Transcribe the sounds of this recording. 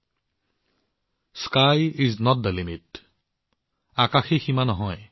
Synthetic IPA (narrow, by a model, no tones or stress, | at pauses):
skajiznɔt̚d̪əlimit | akaxiximanɔɦɔj